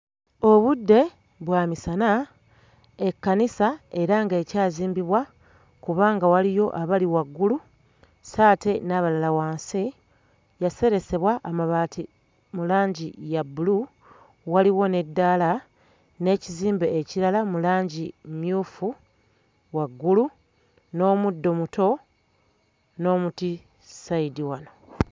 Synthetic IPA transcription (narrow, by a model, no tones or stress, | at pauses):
o̞βudːe̞ | βwaːmisana | ekːanisae̞ɾaŋɡe̞ːcaːziːmbiβwa | kuβaːŋɡawalijo̞ʔaβaliwaɡːulu | saːte̞naβalalawaːnsi | jase̞ɾe̞se̞βwaʔːmaβaːtʰi | mulaːɲɟijabulu | waliwo̞ne̞dːala | ne̞ːciziːmbeːciɾalamulaːɲɟimjuːfu | waɡːulu | no̞ːmudːo̞muto̞ | no̞ːmuti | saidiwano̞